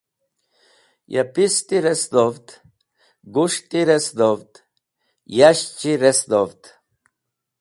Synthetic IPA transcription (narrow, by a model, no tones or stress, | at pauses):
jʔapist̪iɾesd̪ovt̪ | ɡuʂt̪iɾesd̪ovt̪ | jaɕt͡ɕiɾesd̪ovt̪